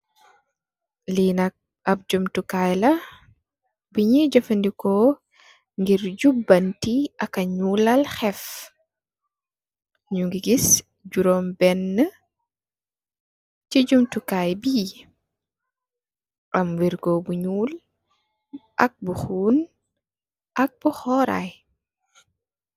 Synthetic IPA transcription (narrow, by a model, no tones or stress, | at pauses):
linak̚ | ap̚d͡ʒumtukajla | biɲid͡ʒɔfandikɔ | ŋɡiɾd͡ʒubːantiʔakaɲuːlalxɛf | ɲuŋɡiɡis | d͡ʒuɾɔmbɛnːə | ciɟumtukajbiː | ʔɐmwiɾkɔbuɲuːl | ʔɐk̚buxuːn | ʔɐk̚b̥uxɔɾa̰j